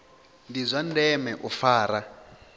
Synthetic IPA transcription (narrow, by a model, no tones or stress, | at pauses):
ndizʷandɛmɛʔufaːɾa